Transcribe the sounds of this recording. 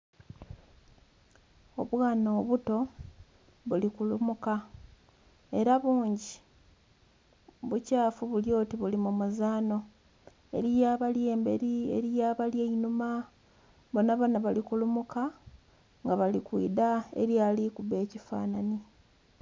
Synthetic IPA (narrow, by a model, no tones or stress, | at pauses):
o̞βwaːnoːβuto̞ | βulikulumuka | e̞ɾaβuːɲɟi | βucaːfuβuljo̞ːtiβulimumuzaːno̞ | e̞ɾijaːβalje̞ːmbe̞̰ɾie̞̰ɾijaβaljeinuma | βonaβanaβalikulumuka | ŋɡaβalikwḭːdae̞̰ɾjalikuβe̞ːcifa̰ːnani